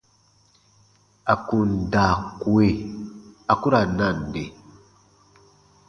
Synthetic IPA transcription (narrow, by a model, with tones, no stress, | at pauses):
a˨ku˨nda˨ku˨e˦ | a˨ku˦ɾa˨na˦˨n˨de˨